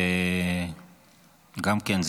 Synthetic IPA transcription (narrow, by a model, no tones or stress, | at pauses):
ŋɡam̩kʼɛnd͡zʱ